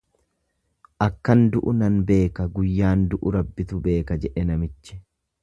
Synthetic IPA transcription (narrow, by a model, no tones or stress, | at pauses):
ʔɐkːɐnd̪ʊʔʊnɐnbe̞ːkɐɡʊjːaːnd̪ʊʔʊɾɐbːɪt̪ʊbe̞ːkɐd͡ʒɛᶑɛnɐmɪt͡ʃːɪ̥